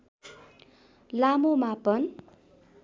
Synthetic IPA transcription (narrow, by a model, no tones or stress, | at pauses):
lamomapʌn